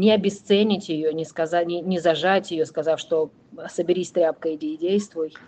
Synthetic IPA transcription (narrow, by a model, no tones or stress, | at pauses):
nʲɪɐbʲɪst̪sɛnʲɪtʲjɪjonʲɪskɐzanʲɪnʲɪzɐʐatʲjɪjoskɐzafʲʂt̪o | səbʲɪɾʲisʲt̪ɾʲap̚kəjɪdʲeɪdʲejst̪vʊj